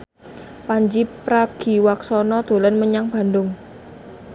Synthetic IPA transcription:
paɲd͡ʒipɾaɡ̥i̤waksɔnɔd̪̥o̤lanməɲaŋb̥a̤ndʊŋ

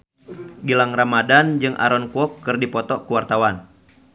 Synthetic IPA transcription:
ɡilaŋramadand͡ʒɨŋʔa̰ɾɔnkuɔkːɨrdipɔt̪ɔkuwart̪awan

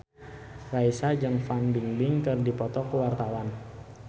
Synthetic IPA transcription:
raisad͡ʒəŋfanbiŋbɪŋkɨrdipɔt̪ɔkəwart̪awan

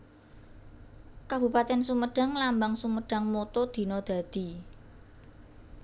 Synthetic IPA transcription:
kab̥ṳpat̪ɛnsuməɖ̥a̤ŋlambaŋsuməɖ̥a̤ŋmot̪od̪̥i̤nɔd̪̥a̤d̪̥i̤

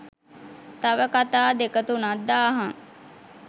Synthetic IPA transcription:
t̪aʋəkat̪aːd̪ekət̪unad̪ːaːɦaŋ

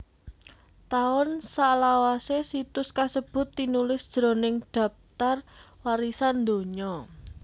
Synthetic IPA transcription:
t̪aʊnsaʔlawasesit̪ʊskasəb̥ʊ̤t̪ːinulɪsd̥ʒ̥ɾo̤nɪŋɖ̥ä̤p̚t̪ar | waɾisand̪o̤ɲɔ

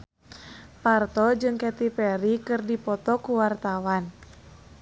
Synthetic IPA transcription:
part̪ɔd͡ʒɨŋkɛt̪ipɛɾikɨrdipɔt̪ɔkuwart̪awan

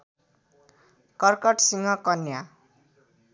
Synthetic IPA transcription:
kʌrkʌʈsiŋɡʌkʌnja

